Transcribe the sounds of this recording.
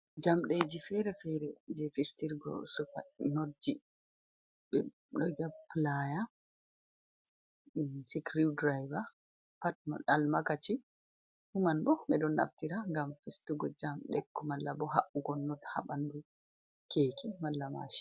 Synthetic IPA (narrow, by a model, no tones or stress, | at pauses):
d͡ʒamɗed͡ʒifɛɾɛfɛɾɛd͡ʒɛfistiɾɡɔ̰sɔkanodi | bɛ | ɗɔjɡaplaja | sikɾidɾajva | pat̚mɔ̰ɗalmakat͡ʃi | humanbɔɓɛɗɔnːa̰ftiɾaŋɡamfistiɡɔd͡ʒamɗɛkːɔmalːabɔɦaʔuɡɔnːɔdha̰ɓandu | kʰekimalːama̰ʃi̥